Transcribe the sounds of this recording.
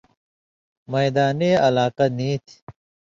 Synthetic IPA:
mɐjd̪aːneːɐlaːqɐniːt̪ʰi̥

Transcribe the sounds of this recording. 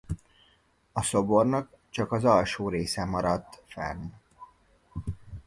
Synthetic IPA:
ɒso̞bo̞rnɒk̚ | t͡ʃɒkɒzɒlʃoːɾeːsɛmɒɾɒt̪ːfɛ̰n

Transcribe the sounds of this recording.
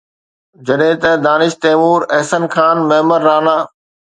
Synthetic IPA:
d͡ʑɐɗɦɪ̃t̪ɐd̪aːnɪʃt̪eːmuːɾɛɦsənkʰaːnmɐɦməɾːaːnaː

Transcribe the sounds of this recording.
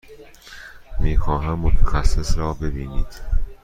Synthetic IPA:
miːxɒːɦæmːot̪ʰæxæsːesɾɒːbe̞biːniːd̪̥

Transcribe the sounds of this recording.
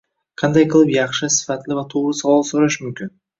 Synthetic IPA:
qʰɑnd̪ɑjqʰəlˠəpjɑχʃəsɪ̥fɑt̪lʲɪvɑt̪ʰuʁəsɑlˠɑlˠsoɾɑʃɪmʏmkʲɪn

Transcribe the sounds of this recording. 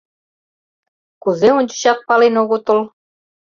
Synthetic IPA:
kuzeunʲt͡ɕŭ̥ɕɑt̪̚pɑlenoɣut̪ɤlˠ

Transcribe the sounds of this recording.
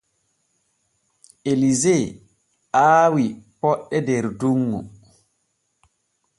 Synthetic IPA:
ʔelizɛ | ʔaːwipɔɗːɛdɛɾduŋːṵ

